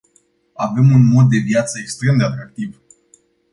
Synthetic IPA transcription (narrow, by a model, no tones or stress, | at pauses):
ave̞munmo̞d̪ːe̞vjat̪səekst̪ɾe̞md̪eat̪ɾak̚t̪iv